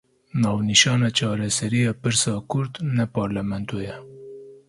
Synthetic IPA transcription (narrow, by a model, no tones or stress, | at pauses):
nɑːwniʃɑːnat͡ʃɑːɾasaɾijapəɾsɑkʊɾt̪napɑːɾlamant̪oja